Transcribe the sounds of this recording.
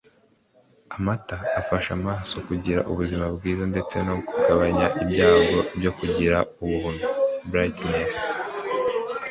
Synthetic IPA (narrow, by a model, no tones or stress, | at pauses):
amataːfaʃamaːso̞kuɟiɾa̰ʔṵβuzimabɡiːzande̞t͡se̞no̞ɡuɡ̥aβaɲaʔibɟaːɡo̞bɟo̞kuɟiɾauβuunubɾajtnes